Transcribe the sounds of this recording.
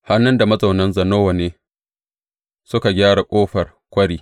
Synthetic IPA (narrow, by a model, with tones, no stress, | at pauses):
ha˦nːʊ˦nda˨mɐ˦za˨wnɐ˦nzɐ˨noː˦wa˨neː˦ | sʊ˦ka˨ɡʲaː˦ɽa˨kʷʼoː˦ɸɐ˨r | kʷɐ˦ɽiː˦